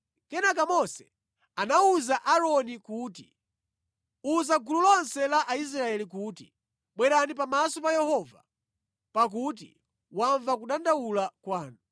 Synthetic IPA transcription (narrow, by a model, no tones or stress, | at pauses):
kɛnak̬amɔsɛ | anauzaʔaɾɔnikuːti | uzaɡululɔnsɛlaʔais̬ɾaɛlikuːtḭ | ɓwɛɾanipamasɔpajɛhɔva | pak̬ut̬ḭ | waɱvakuɗandawulakwaːnu